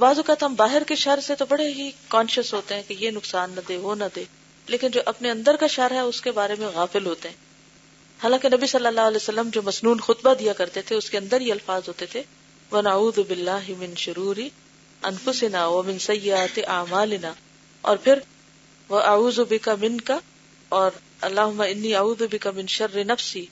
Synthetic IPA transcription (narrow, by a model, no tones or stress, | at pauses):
baːzʊkat̪ɦɐmbaːɦɪɾkeʃɐɾset̪obɐɽeɦikɔ̃ːnʃəsɦoːt̪eɦɛ̃kejenʊksaːnːɐd̪eːɦonɐd̪eː | leːkɪnd͡ʒoːʔɐpneɐ̃nd̪əɾkaʃɐɾɦɛʊskebaːɾemẽɣaːfɪlɦoːt̪eɦɛ̃ː | haːlãːkenɐbisɐlːəlːaːɦɐlɛːjosɐlːəmd͡ʒoːmɐsnuːnxʊt̪bad̪ijakɐɾt̪et̪ʰeʊskeɐ̃nd̪əɾijeɐlfaːzɦoːt̪et̪ʰe | ʋɐnɐʕuːðʊbɪlːaːɦɪmɪ̃nʃʊɾuːɾɪ | ɐnfʊsɪnaːʋɐmɪ̃nsɐjːɪaːt̪ɪʔaːmaːlɪnaː | ɔ̰ːɾpʰɪɾ | ʋɐʔɐʕuːzʊbɪkamɪ̃nka | ɔːɾ | ɐlːaːɦʊmːaɪnːiːɐʕuːðʊbɪkɐmɪ̃nʃɐrːɪnɐfsiː